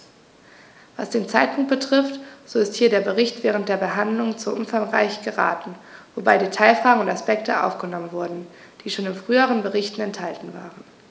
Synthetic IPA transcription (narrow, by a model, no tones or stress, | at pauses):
v̥a̰sd̥eːnt͡saɪt̚pʰʊŋkt̚b̥ətʁ̥ɪftz̥oɪsthiːɐɾeːɐbəʁɪçtv̥ɛːʁ̞ənt̚d̥eːɐbəɦandlʊŋt͡suɐʔʊmfaŋʁa̰ɪçɡ̥əʁa̰ːtn̩vobaɪdiːtʰaɪlfʁ̥aːɡŋ̩ʊntaspɛk̚tʰəʔa̰ʊfɡ̥ənɔmənvʊɐdn̩ | d̥iːʃoːnɪnfʁ̥yːəʁənbəʁɪçtn̩ɛnthaltn̩va̰ːʁən